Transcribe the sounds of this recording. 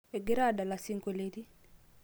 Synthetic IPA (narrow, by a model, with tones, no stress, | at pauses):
e˨ɡɪ˦ɾa˦˨da˨la˨si˦ŋko˨le˦ɾi˦